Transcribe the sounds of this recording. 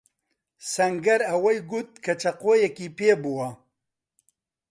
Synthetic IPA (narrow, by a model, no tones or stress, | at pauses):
sɐŋɡɐɾɐwɐjɡut̪̚kʰɐt͡ʃʰɐqoːjɛkiːpeːbuwɐ